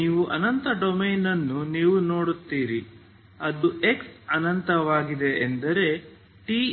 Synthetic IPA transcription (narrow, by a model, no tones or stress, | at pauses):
iːʋuʔɐnɐnt̪ɐɖomeːnɐnːuniːʋuno̞ːɽut̪ːiːɾi | ɐd̪uʔeksɐnɐnt̪ɐʋaːɡid̪e̞ʔːnd̪ɐɾe̞ | ʈiː